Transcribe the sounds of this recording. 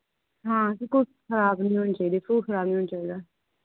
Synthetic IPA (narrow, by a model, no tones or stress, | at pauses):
ɦãːkikʊkʰəɾaːbnĩːɦoːnːt͡ʃaːiːd̪eːfuːkʰəɾaːbnĩɦoːnːt͡ʃaːiːd̪aː